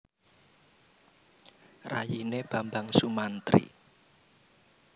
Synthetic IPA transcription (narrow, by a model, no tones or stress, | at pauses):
rajineb̥ambaŋsumant̪ɾḭ